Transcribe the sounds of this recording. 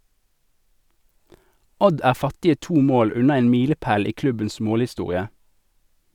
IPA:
ˈɔd ˈæːʁ ˈfɑtɪə ˈtuː ˈmoːl ˈʉnɑ ˈeːn ˈmiːləˌpæːl ˈiː ˈklʉbəns ˈmoːlɪˌstuːʁɪə

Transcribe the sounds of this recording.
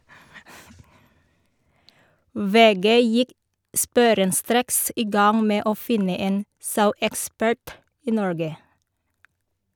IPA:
ˈʋeːˌɡeː ˈjɪk ˈspuːɾənˌstɾeːks ˈiː ˈɡɑŋ ˈmeː ˈoː ˈfɪnə ˈeːn ˈsɑʉɛkˌspæɹt ˈiː ˈnɔɹɡə

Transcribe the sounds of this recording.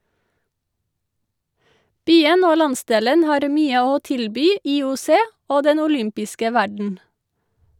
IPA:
ˈbyːən ˈoː ˈlɑnˌsdeːlən ˈhɑːɾ ˈmyːə ˈoː ˈtɪlbyː iːʊˈseː ˈoː ˈdɛn ʊˈlʏmpɪskə ˈʋæɖɳ̩

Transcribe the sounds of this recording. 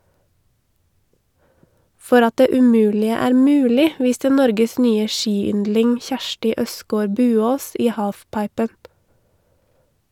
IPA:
ˈfɔɾ ˈɑt ˈdeː ʉˈmʉːlɪə ˈæːɾ ˈmʉːlɪ ˈʋiːstə ˈnɔɾɡəs ˈnyːə ˈʃiːˌʏndlɪŋ ˈçæʃʈɪ ˈʔœskoːɾ ˈbʉːoːs ˈiː ˈhɑːfˌpɑɪpən

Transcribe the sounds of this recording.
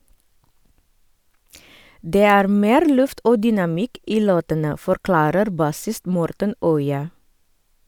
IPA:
ˈdeː ˈæːɾ ˈmeːɾ ˈlʉft ˈoː dʏnɑˈmɪk ˈiː ˈloːtənə fɔɾˈklɑːɾəɾ ˈbɑsɪst ˈmɔɾtən ˈœʏɑ

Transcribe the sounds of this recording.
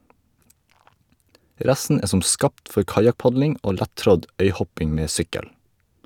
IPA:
ˈɾɛsn̩ ˈeː ˈsɔm ˈskɑːpt ˈfɔɾ ˈkɑjɑkˌpɑɟlɪŋ ˈoː ˈlætˌtɾɔd ˈœʏˌhɔpɪŋ ˈmeː ˈsʏkəl

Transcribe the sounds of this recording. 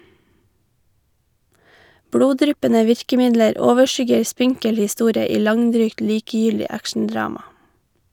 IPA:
ˈbɽuːˌdɾʏpənə ˈʋɪɹkəˌmɪdləɾ ˈoːʋəˌʃʏɡəɹ ˈspɪŋkəl hɪˈstuːɾə ˈiː ˈlɑŋˌdɾyːkt ˈliːkəjʏldɪ ˈækʃn̩ˌdɹɑːmɑ

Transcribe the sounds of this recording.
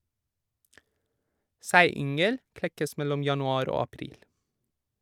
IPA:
ˈsæɪˌʏŋəl ˈklɛkəs ˈmɛlɔm ˌjɑnʊˈɑːɾ ˈoː ɑˈpɾiːl

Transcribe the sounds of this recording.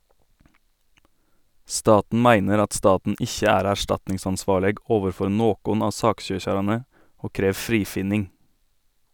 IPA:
ˈstɑːtn̩ ˈmæɪnəɾ ˈɑt ˈstɑːtn̩ ˈɪçə ˈæːɾ æˈʃtɑtnɪŋsɑnˌsʋɑːɭəɡ ˈoːʋəɾˌfɔɾ ˈnoːkʊn ˈɑː ˈsɑːkˌʃøːçɑɾɑnə ˈoː ˈkɾeːʋ ˈfɾiːfɪnɪŋ

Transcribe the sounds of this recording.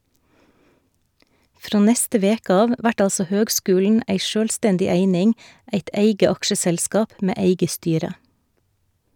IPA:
ˈfɾoː ˈnɛstə ˈʋeːkə ˈɑːʋ ˈʋæʈ ˈɑlsɔ ˈhøːɡˌskʉːln̩ ˈæɪ ˈʃøːlˌstɛndɪ ˈeɪnɪŋ ˈæɪt ˈeɪɡə ˈɑkʃəˌsɛlskɑːp ˈmeː ˈeɪɡə ˈstyːɾə

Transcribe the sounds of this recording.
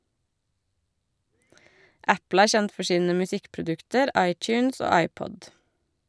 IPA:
ˈʔæpl̩ ˈæːɹ ˈçɛnt ˈfɔ ˈʃiːnə mʉˈsɪkpɹʊˌdʉktəɾ ˈʔɑɪt͡ʃʉːns ˈoː ˈɑɪpɔd

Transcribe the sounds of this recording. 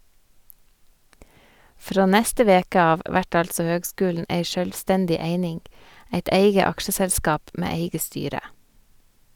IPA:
ˈfɾoː ˈnɛstə ˈʋeːkə ˈɑːʋ ˈʋæʈ ˈɑlsɔ ˈhøːɡˌskʉːln̩ ˈʔeɪ ʃœlˈstɛndɪ ˈeɪnɪŋ ˈæɪt ˈeɪɡə ˈɑkʃəsɛlˌskɑːp ˈmeː ˈeɪɡə ˈstyːɾə

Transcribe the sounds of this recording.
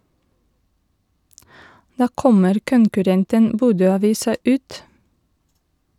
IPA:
ˈdɑː ˈkɔməɾ kʊŋkʉˈɾɛntən ˈbuːdøːɑˌʋiːsɑ ˈʉːt

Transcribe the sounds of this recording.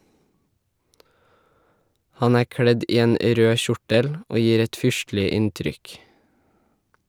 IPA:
ˈhɑn ˈæː ˈkɽɛd ˈiː ˈeːn ə ˈɾøː ˈʃʊʈəl ˈoː ˈjiːɾ ˈɛt ˈfʏʃtlɪ ˈɪntɾʏk

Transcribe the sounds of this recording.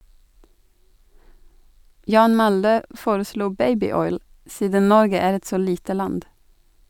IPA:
ˈjɑːn ˈmɑldə ˈfoːɾəˌsluː ˈbæɪbɪˌɔʏl ˈsiːdən ˈnɔɾɡə ˈæːɾ ˈɛt ˈsoː ˈliːtə ˈlɑnd

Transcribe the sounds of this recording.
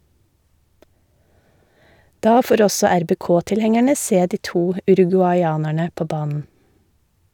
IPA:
ˈdɑː ˈfoːɾ ˈɔsɔ æɾbeːˈkoːtɪlˌhɛŋæɳə ˈseː ˈdiː ˈtuː ʉɾʉɡʉɑʏˈɑːnæɳə ˈpoː ˈbɑːnn̩

